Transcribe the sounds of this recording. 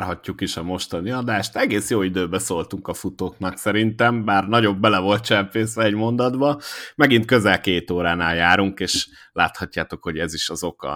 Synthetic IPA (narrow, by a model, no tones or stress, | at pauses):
rɦɒcːukiʃɒmo̞ʃt̪ɒniɒd̪aːʃt̪ɛɡeːsjoːid̪øːbɛsoːlt̪uŋkɒfut̪oːknɒksɛɾint̪ɛmbaːrnɒɟo̞bːɛlɛvo̞lt̪̚t͡ʃɛmpeːsɛɛɟmo̞nd̪ɒd̪bɒmɛɡint̪̚kø̞zɛlkeːt̪oːɾaːnaːljaːɾuŋkeːʃlaːt̪hɒcːaːt̪o̞kho̞ɟɛziʃɒzo̞kɒ̰